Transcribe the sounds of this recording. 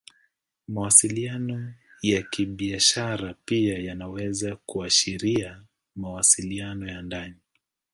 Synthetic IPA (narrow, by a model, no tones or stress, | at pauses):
mawasilianɔjakiɓiaʃaɾapiajanawɛzakuaʃiɾia | mawasilianɔjandani